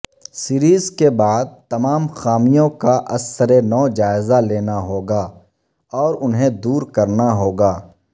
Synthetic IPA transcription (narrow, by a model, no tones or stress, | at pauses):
siɾiːzkebaːd̪̚t̪ɐmaːmxaːmijõkaʔɐsəɾenɔːd͡ʒaːɪzaleːnaɦoːɡaː | ɔːɾʊnɦẽd̪uːɾkɐɾnaɦoːɡaː